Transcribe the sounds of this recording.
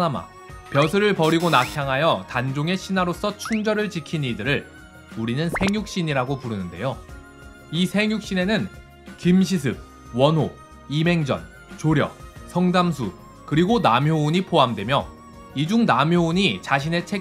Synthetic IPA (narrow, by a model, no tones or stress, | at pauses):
ama̰ | pjʌsʰɯɾɯɭpʌɾiɡonakʰjaŋɦajʌtand͡ʑoŋe̞ɕʰinaɾos͈ʰʌt͡ɕʰuŋd͡ʑʌɾɯɭt͡ɕikʰinidɯɾɯɭ | uɾinɯnsʰe̞ŋjuk̚ɕ͈iɲiɾaɡopuɾɯnɯnde̞̰jo | isʰe̞ŋjuk̚ɕ͈ine̞nɯn | kimɕ̬ʰis̬ʰɯb̚ | wʌnɦo | ime̞ŋd͡ʑʌ̰n | t͡ɕoɾjʌ̰k̚sʰʌŋdams̬ʰu | kɯɾiɡonamjouɲipʰoɦamdwe̞mjʌ | id͡ʑuŋnamjouɲit͡ɕaɕ̬ʰine̞t͡ɕʰe